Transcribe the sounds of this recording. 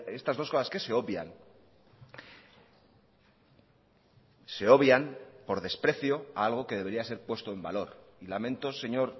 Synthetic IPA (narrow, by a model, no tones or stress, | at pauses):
e̞st̪azðo̞sko̞saske̞se̞o̞βja̰n | se̞o̞βjanpo̞ɾðe̞spɾe̞θjo̞aalɣ̞o̞ke̞ð̞eβe̞ɾiase̞ɾpwe̞st̪o̞e̞mba̰lo̞ɾ | ilamẽ̞nt̪o̞se̞ɲo̞ɾ